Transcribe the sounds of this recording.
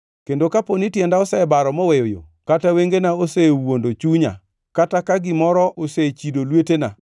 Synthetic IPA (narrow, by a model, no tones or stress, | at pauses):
kendokaponitjɛndaɔsɛbaɾɔmɔwejojo̰kataweŋɡenaosewondot͡ʃuɲa̰ | katakaɡɪmɔɾɔʔoset͡ʃidolwetena̰